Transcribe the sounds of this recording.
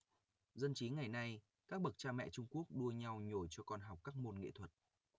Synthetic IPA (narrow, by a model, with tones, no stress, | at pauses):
zə˧nt͡ɕi˨˦ŋa˨˩jna˧j | kaː˦˥k̚ɓə˨˩k̚t͡ɕaː˧mɛ̰˧˨t͡ɕʊ˧ŋ͡mku˦˥ək̚ɗu˧əɲa˧wɲo˧˩jt͡ɕɔ˧kɔ˧nɦa˨˩wk͡p̚kːaː˦˥k̚mo˧nŋḛ˧˨t̪ʰwə˨˩t̚